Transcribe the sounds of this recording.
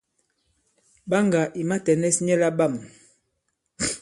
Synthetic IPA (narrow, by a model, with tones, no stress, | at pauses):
ba˦ŋɡa˨ʔi˨ma˦tɛ˨nɛ˦sɲɛ˦la˦ba˦˨m